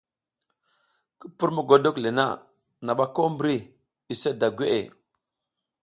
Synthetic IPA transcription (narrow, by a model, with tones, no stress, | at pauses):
ki˦pu˦ɾmu˦˨ɡo˨do˦kle˨na̰˦ | na˨ɓa˦ko˦mbɾi˦ | i˨se˦da˨ɡʷe˦ʔḛ˨